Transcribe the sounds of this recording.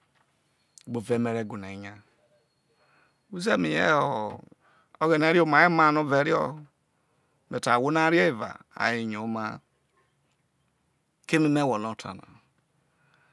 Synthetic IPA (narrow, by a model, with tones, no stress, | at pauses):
ɡ͡bo˨ve˨˦me˨ɾe˦˨ɡu˨na˨i˨ɲa˦ | u˦ze˦mi˨jɛ̰˦ɔ˨ | o˦ɣɛ˨ne˨˦ɾi˦o˦ma˨˦i˦ma˦˨no˦ve˨˦ɾi˦ɔ˦ | me˨ta˨wo˦na˦ɾi˦ɛ˦i˨va̰˨a̰˨ji˨ɲo˨˦ma˦ | ke˦ni˦ne˦˨wɔ˨no˦˨tʰa̰˨na̰˨